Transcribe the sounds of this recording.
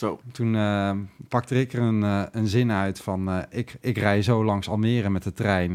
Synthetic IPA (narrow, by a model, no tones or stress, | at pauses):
otunəpɑk̚tərɪkərənənzɪnœɥtfɑnɪkɪkrɛjzowlɑŋsɑlˠnɪːrəmɛtdətrɛjn